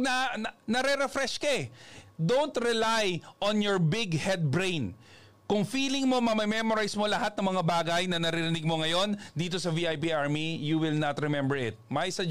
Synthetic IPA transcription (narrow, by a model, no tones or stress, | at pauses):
nɐnɐɾɛɾɛfɾɛʃkɐɛd̪ownt̪ɾɛlajʔɔnjɔɹbɪɡhɛd̪̚bɹẽjn | kʊŋfiːlɪŋmo̞mɐmɛmɛmoɾajsmo̞lɐhat̪nɐŋmɐŋabaːɡɐjnɐnɐɾɪɾɪnɪɡ̚mo̞ŋɐjo̞nd̪iːt̪o̞sɐviʔajpiʔaɹmijuwɪlnɐt̪ɾɛmɛmbɛɹɪt̪̚mɐjsɐ